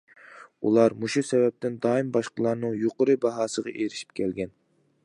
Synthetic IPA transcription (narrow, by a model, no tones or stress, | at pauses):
ṵlˠɑɾmuʃusɛvɛp̚t̪ɪnd̪ɑːimbɑʃqəlˠɑɾnɨŋjoqəɾɨbɑɦɑːsəʁɑ̰ʔeɾɪʃi̥p̚kʲʰɛlɡʲɛn